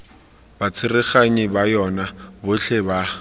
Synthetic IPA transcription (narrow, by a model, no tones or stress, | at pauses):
bat͡sʰɪrɪχaɲɪbajɔnabʊɬʰɛba